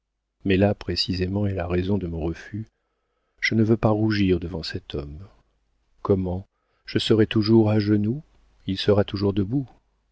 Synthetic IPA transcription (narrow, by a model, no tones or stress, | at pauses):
mɛlapχesizemɑ̃ɛlaʁezɔ̃d̪əmɔ̃ʁəfy | ʒ̥ənəvøpaʁuʒiʁd̪əvɑ̃sɛt̪ʰɔm | kɔmɑ̃ | ʒ̥əsəʁɛt̪uʒuʁaʒənu | ilsəʁat̪uʒuʁd̪əbu